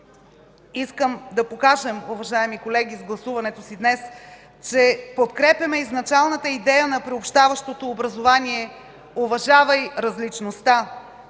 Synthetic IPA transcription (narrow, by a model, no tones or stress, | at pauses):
iskəmd̪ɐpokaʒəmuvɐʒaɛmikolɛɡ̟ʲizɡlˠɐsuvɐnɛt̪osid̪nɛs | t͡ʃɛpot̪kɾɛpʲjɐmɛiznɐt͡ʃalˠnət̪əid̪ɛjənɐpɾiopʃt̪avɐʃt̪ot̪oːbɾɐzovaniɛ | ovɐʒavɐjɾɐzlit͡ʃnost̪a